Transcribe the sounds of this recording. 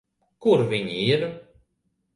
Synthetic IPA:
kuɾvʲiɲʲiɾ

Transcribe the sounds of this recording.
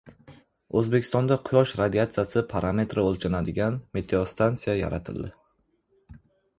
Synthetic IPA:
ɵzbe̞kʲʰɪst̪ɒnd̪aqʰʊjɒʃɾad̪iat̪sɨjasɪpʰaɾʔame̞t̪ɾɪolˠt͡ʃʰanad̪ɪɡʲanmet̪ʰɾost̪ant̪sijaja̰ɾa̰t̪ʰɪ̰lˠd̪ɪ

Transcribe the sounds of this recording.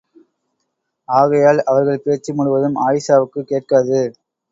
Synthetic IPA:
aːɣɐjaːlɐʋɐɾɣɐɭpeːt͡ʃːimʊɽʊʋɐðɯmʔaːjɪsaːʋɯkːɯkːeːʈ̚kaːðɯ

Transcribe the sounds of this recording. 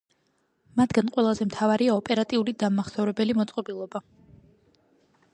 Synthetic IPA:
mat̪ʰɡanqʼwɛlˠazɛmt̪ʰavaɾiaɔpʼɛɾat̪ʼiulid̪amaχsɔvɾɛbɛlimɔt̪sʼqʼɔbilˠɔba

